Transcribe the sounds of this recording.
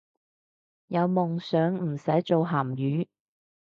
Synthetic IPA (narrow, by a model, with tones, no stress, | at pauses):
jɐ˨˧wmʊ˨ŋsœː˨˥ŋm̩˨˩sɐ˨˥jt͡ʃo˨wɦaː˨˩mjyː˨˥